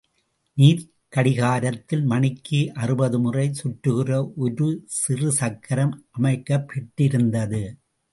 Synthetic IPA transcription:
niːɾ | kɐɽɪɣaːɾɐt̪ːɪlmɐnɪkːiʔɐrɯbɐðɯmʊrɐɪsʊʈrɯɣɪrɐʔʊɾɯsɪrɯsɐkʰːɐɾɐmʔɐmɐɪkːɐpʰːɛʈːɪɾɯnd̪ɐðɯ

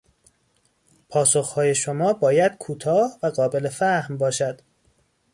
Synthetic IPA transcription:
pʰɒːsoxhɒːje̞ʃomɒːbɒːjæd̪̥̚kʰuːt̪ʰɒːhvæɢɒːbe̞lefæhmbɒːʃæd̪̥

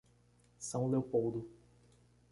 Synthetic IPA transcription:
sɐ̃w̃lewpowd̪ʊ

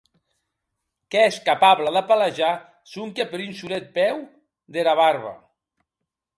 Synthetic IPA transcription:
keeskapaβlaðapalaʒa | suŋkepeɾynʃuɾet̪̚pɛw | d̪eɾaβarβa̰

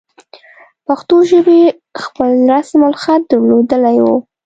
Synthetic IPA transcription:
paxt̪oʒəbe | xpəlɾasmalxat̪̚d̪əɾlod̪əlajwo

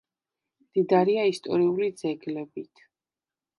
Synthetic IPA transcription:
md̪̥id̪aɾiaist̪ʼɔɾiulid̪zɛɡlɛbit̪ʰ

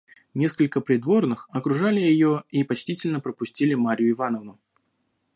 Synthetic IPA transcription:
nʲe̞skəlʲkəpɾʲɪd̪vo̞rnɨxɐkɾʊʐalʲɪjɪjoipɐt͡ɕtʲitʲɪlʲnəpɾəpʊsʲtʲilʲɪmaɾʲɪjʊɪvanəvnʊ

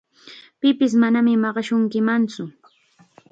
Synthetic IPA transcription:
pɪpɪs̬manamɪmɑɢɑʃʊŋkɪmant͡sʊ

